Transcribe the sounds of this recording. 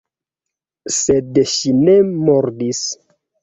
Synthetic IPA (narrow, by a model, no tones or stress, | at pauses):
sedʃine̞moɾdis